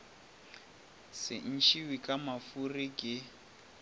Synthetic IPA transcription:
sɪ̰n̩t͡ʃʰiwikʼamafurikʼɪ

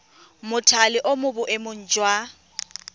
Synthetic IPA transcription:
mʊtʰalɪʔomʊbʊʔemʊn̩d͡ʒwa

